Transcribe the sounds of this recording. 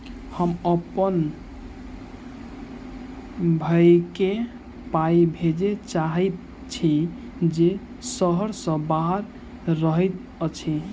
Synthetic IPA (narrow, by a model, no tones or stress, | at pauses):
həməpən | bʱajke | pajbʱed͡ʒet͡ʃaɦɛ | t͡ʃʰi | d͡ʒe | səɦəɾsə̃baɦəɾː | əɦɛt̪̚ | ət͡ʃʰi